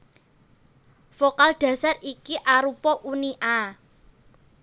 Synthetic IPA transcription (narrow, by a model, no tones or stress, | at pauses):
fokald̥ä̤sarikiʔaɾupɔʔuniʔa